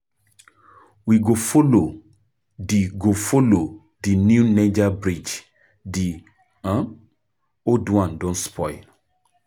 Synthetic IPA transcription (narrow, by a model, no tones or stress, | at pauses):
wiɡofolo | diɡofolo | dinjuned͡ʒabɾid͡ʒ | di | ãm | odwãndɔ̃nspʰɔjl